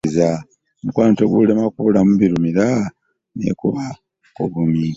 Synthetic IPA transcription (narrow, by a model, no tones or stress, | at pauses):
za | mukwaːntoɡulemakuβulamuβiɾumiɾa | nḛkuβa | oβumi